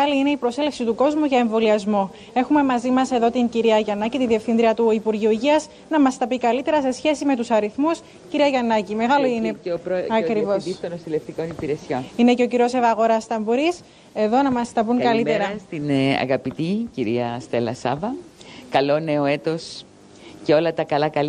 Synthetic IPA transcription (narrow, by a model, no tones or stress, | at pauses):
ɣɐliine̞ipɾo̞se̞lefsit̪uko̞zmuʝɐe̞ɱvo̞liɐzmo̞ | e̞xume̞mɐzimɐse̞ðo̞t̪iɲciɾiɐʝɐnɐcit̪inðie̞fθind̪ɾiɐt̪uipuɾʝiuiʝiɐz | nɐmɐst̪ɐpikɐlit̪e̞ɾɐse̞sçe̞sime̞t̪usɐɾiθmus | ciɾiɐʝɐnɐcime̞ɣɐloineɾɐkɾivosist̪onost̪ileft̪ikonipiɾesionine̞ce̞o̞ciɾiosevɐɣo̞ɾɐst̪ɐmbuɾis | e̞ðo̞nɐmɐst̪ɐpuŋkɐlieɾɐst̪inɐ̰ɣɐpit̪iciɾiɐst̪elɐ̰sɐ̰vɐkɐlo̞ne̞oe̞t̪os | ceo̞lɐt̪ɐkɐlɐkɐl